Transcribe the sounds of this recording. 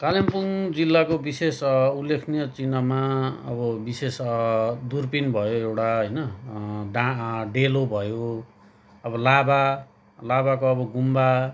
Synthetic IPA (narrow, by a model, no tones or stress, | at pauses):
kalimpund͡zilːakobisesulːekʰnijʌt͡sinʌmaʌ̰bʌbisesd̪urpinbʱʌjoewʈaɦʌjnʌɖãɖelobʱʌjo | ʌbʌlaba | labakoʌbʌɡumba